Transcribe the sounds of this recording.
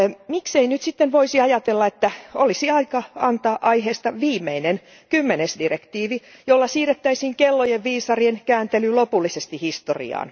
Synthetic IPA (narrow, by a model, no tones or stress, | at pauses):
mikseinyt̪sit̪ːenʋoisiɑjɑt̪elːɑet̪ːæolisiɑikɑɑnt̪ɑːʔɑiheːst̪ɑʋiːmːeinen | kymːenesdirekt̪iːʋi | jolːɑsiːret̪ːæisiːŋkelːojeʋʋiːsɑrienkæːnt̪elylopulːisest̪ihist̪o̰rḭɑ̰ːn